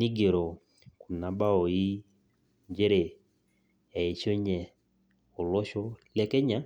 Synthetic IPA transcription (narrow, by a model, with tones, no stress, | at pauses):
ni˦ɡe˨ɾo˨ | ku˨na˨ba˦o˨i˦ | ɲd͡ʒe˦ɾe˨ | ɛ˨e˨ʃo˦ɲɛ˨ | o˨lɔ˦ʃɔ˦lɛ˦kɛ˦ɲa˦